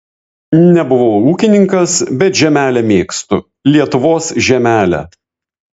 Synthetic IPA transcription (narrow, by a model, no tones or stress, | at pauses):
nʲɛbʊʋoːuːkʲɪnʲɪŋkɐsbʲɛt̪ʒʲɛmʲæːlʲɛmʲeːkst̪ʊ̰ | lʲiɛt̪ʊʋoːsʒʲɛmʲæːlʲɛ̰